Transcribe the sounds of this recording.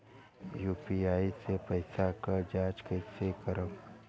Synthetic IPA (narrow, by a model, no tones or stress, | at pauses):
juːpiaːisepəɪsakəɾd͡ʒaːd͡ʒkəsekəɾək